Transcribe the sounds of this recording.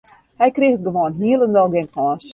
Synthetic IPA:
hɛjkrixət̚ɡəʋoənɦiələndɔlˠɡɪnkʰɔːs

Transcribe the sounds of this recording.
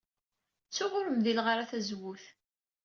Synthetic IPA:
t͡sːʊʁʊɾəmðilʁaɾaθæzwʊθ

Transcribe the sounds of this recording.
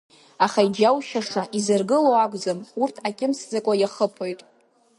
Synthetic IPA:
aχaid͡ʒawʃaʂaʔizɨrɡɨlowaɡʷʼd͡zɨmurtʰakʲʼɪmsd͡zakʷʼajaχəpʰojtʼ

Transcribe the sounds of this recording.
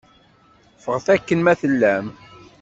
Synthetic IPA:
fəʁθækːənmæθəlːæm

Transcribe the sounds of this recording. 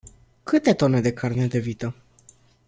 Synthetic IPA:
kɨt̪e̞t̪o̞ne̞d̪e̞kʰarned̪e̞vit̪ə

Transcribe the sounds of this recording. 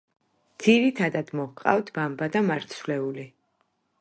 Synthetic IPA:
d̪z̥iɾit̪ʰad̪ad̪̥mɔhqʼa̰vt̪ʰbambad̪amaɾt̪sʰvlɛuli

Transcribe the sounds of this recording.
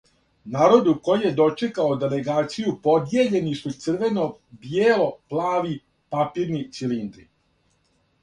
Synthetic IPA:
naːɾo̞d̪uko̞jije̞d̪o̞t͡ʂe̞kaod̪e̞le̞ɡaːt̪sijupo̞d̪je̞ʎe̞nisut̪sr̩ʋe̞no̞bjeːlo̞plˠaːʋi | papiːɾnit̪silind̪ɾi

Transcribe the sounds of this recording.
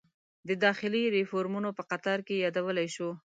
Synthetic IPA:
d̪əd̪ɑxɪliɾɪfoɾmunopəqat̪ɑɾkejɑd̪awəlajʃo

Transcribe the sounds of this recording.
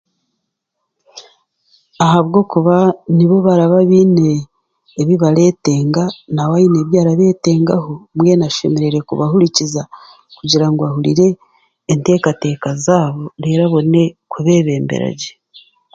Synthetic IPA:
aɦaβɡo̞ːkuβaniβo̞βaɾaβaβiːne̞ː | βiβaɾe̞ːte̞ːŋɡanawaineːβjaːɾaβe̞ːte̞ːŋɡaɦo̞mwe̞naʃe̞me̞ɾe̞ɾe̞kuβahuɾiciza | kuɟiɾaŋɡoahuɾḭɾe̞ː | nte̞ːkate̞ːkazaːβo̞ɾe̞ɾaβo̞ne̞kuβe̞βe̞ːmbḛɾa̰ɟe

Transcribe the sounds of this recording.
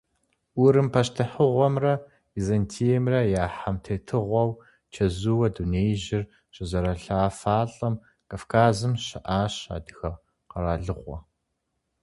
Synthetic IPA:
ʊɾɨmpʰɐʃtʰɨħəʁʷɔmrɐ | izɐntʰijɛmrɐjaːħamtʰeːtʰɨʁʷɔw | t͡ʃʰɐzuwɐduneːjʑɪr | ɕʼɪzɐɾɐɬaːfaːɬʼɐm | kʰʼafkʰaːzɨmɕɐʔaːɕa̰ːdɨxɐ | qɐɾaːɮɨʁʷɔ̰

